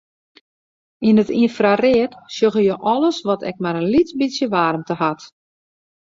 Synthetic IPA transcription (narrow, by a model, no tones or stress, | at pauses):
inətinfrarɪətsjoɣəjoʔɔləsʋɔtɛ̰k̚maɾənlitbisjəʋaːrmtəhat